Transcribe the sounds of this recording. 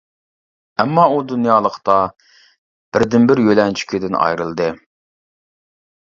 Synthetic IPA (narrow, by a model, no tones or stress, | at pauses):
ɛmːɑud̪unjɑːlˠəqt̪ɑ | b̥ɪɾd̪ɪnbɪɾjølɛnt͡ʃʰy̥kʲʰid̪ɪnɑ̰jɾɨlˠd̪ɨ